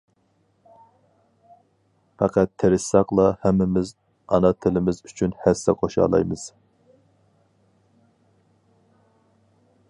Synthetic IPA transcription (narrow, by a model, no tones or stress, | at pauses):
pɑqʰɑt̪ʰːeɾɪsːɑqlˠɑhæmːɪmɪz | ɑnɑt̪ʰɪlɪmɪzyt͡ʃʰynhæsːɛqʰoʃɑ̰ːlˠɑ̰jmɨz̥